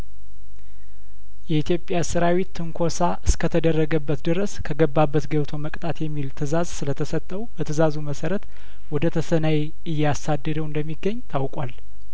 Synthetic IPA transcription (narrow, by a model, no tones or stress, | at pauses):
jɛit̪jo̞pʼːjasɨɾawit̪ːɨŋkʰo̞saʔɨskʰət̪ʰəd̪ərːəɡəbːət̪d̪ɨɾəskʰəɡəbːabːət̪ɡəβt̪ʰo̞məkʼt̪ʼat̪jɛmːilt̪ʰɨzazsɨlət̪ʰəsət̪ʼːəwb̥ət̪ʰɨzazuməsəɾət̪ | wɔd̪ət̪ʰəsənaje | ɨjːasad̪ːəd̪əwɨnd̪əmːiɡːəɲːt̪ʰawkʼwal